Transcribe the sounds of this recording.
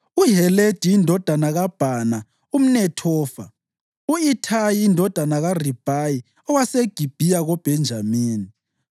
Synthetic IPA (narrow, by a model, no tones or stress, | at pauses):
uɦɛled̥ʱiindʱɔd̥ʱanaɣab̥ʱana | um̩nɛtʰɔːfa̰ | uitʰajiːndʱɔd̥ʱanaɣarib̥ʱaji | ɔwaseɡ̥ʱib̥ʱijaɣɔb̥ʱɛnd͡ʒʱamiːni